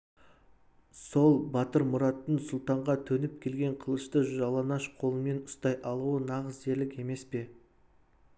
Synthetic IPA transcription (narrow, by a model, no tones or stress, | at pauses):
so̞lˠbɑt̪əɾmʊɾɑt̪ːəɴsʊlˠt̪ɑɴʁɑt̪ʰɵnɪp̚kʲʰe̞lɡʲe̞ɴqʰəlˠəʃt̪əʒʒɑlˠɑnɑʃqʰo̞lˠəme̞nʊst̪ɑjʔɑlˠuwənɑʁəzd͡ʒe̞ɾlɪke̞me̞spe̞